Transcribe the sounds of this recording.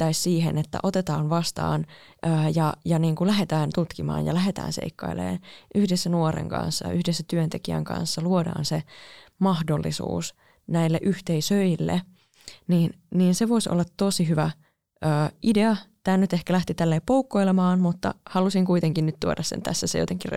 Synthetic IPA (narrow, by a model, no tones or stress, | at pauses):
t̪ːæissiːɦḛnet̪ːæ̰ʔot̪et̪ɑːnʋɑst̪ɑ̰ːn | ʔəːjɑjɑniːŋkulæɦet̪æːnt̪ut̪kimɑ̰ːnjɑ̰læɦet̪æ̰ːnsḛikːɑ̰ilḛːnʔyhdesːænuorḛŋkɑ̰nsːɑ̰jɑ̰ʔyhdesːæt̪yønt̪ekiæ̰ŋkɑ̰̃nsːɑluodɑ̰ːnsemɑhdolːḭsṵːs | næilːḛʔyht̪eisøilːḛ | niːnniːnseʋoiso̰lːɑt̪t̪osiɦyʋæ | øːʔideɑt̪æːnyt̪ehkælæht̪it̪ælːeːpoukːoilemɑːnmut̪ːɑ̰hɑlusiŋkuit̪eŋkinnyt̪t̪uodɑssḛnt̪æ̰sːæsḛjot̪eŋkir